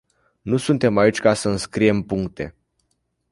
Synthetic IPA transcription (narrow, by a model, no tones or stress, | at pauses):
nusunt̪e̞mait͡ʃʲkasəɨnskɾije̞mpuŋkt̪e̞̰